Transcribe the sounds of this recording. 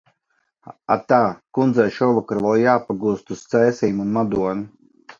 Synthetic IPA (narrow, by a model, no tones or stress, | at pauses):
a̰t̪aːkund̪zajʃɔvɔkaɾvˠɔjjaːpaɡust̪ust̪sɛːsiːmunmad̪uɔnu